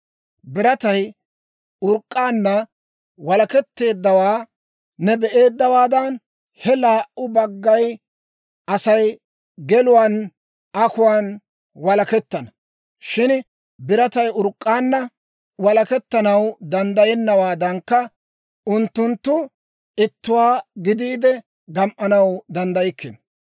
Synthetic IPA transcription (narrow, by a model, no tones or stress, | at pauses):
bɪɾɐt̪ɐj | ʊɾkʼːaːnːɐ | wɐlɐkɛt̪ːe̞ːd̪ːɐwaː | nɛbɛʔe̞ːd̪ːɐwaːd̪ɐn | hɛlaːʔʊbɐɡːɐj | ɐsɐj | ɡɛlʊwaːn | ɐkʊwaːn | wɐlɐkɛt̪ːɐnɐ | ʃɪn | bɪɾɐt̪ɐjʊɾkʼːaːnːɐ | wɐlɐkɛt̪ːɐnɐwd̪ɐnd̪ɐjɛnːɐwaːd̪ɐŋkːɐ | ʔʊnt̪ːʊnt̪ːʊ | ɪt̪ːʊwaːɡɪd̪iːd̪ɛ | ɡɐmʔɐnɐwd̪ɐnd̪ɐjɪkːɪ̰n